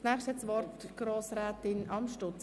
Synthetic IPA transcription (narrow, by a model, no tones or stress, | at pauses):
næːχʃthɛtsʋɔrtɡ̥ɾoːsɾɛːttɪnʔɑmʃtʊt͡s